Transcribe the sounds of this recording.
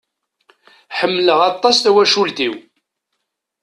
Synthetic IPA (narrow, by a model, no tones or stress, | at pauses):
ħəmːləʁɑt̪ˤːɑsθæwæʃult̪iw